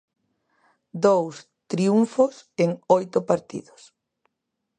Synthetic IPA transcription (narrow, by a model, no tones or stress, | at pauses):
d̪ows | t̪ɾiuɱfʊseŋojt̪ʊpaɾt̪ḭðʊs